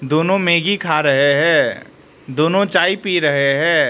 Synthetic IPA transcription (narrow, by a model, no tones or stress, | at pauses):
d̪oːnõmeːɡikʰaɾəɦeɦɛ̃ː | d̪oːnõt͡ʃaːipiɾəɦeɦɛ̃ː